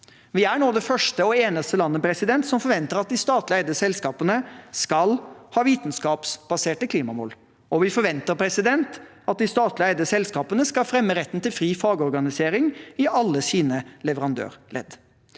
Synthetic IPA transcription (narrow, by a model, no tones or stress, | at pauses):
ʋɪæɳoːd̪ɛfœʂʈəɔeːnəst̪əlɑnːəpʰɾɛsɪd̪ɛnt̪sɔmfɔɾʋɛnt̪əɾɑt̪̚d̪ɪst̪ɑːt̪lɪæɪd̪əsɛlskɑːpənəskɑlhɑːʋiːt̪nskɑːpsb̥ɑseːʈəkʰliːmɑmɔ̰lː | ʔɔʋɪfɔɾʋɛnt̪əɾpʰɾɛsɪd̪ɛnt̪ | ɑt̪̚d̪ɪst̪ɑːt̪lɪæɪd̪əsɛlskɑːpənəskɑlfɾɛmːəɾɛt̪ːn̩t̪ɪlfɾiːfɑːɡɔɾɡɑnɪseːɾɪŋɪʔɑlːəsiːnəlɛʋəɾɑnd̪ø̰ːɾlɛ̰d̪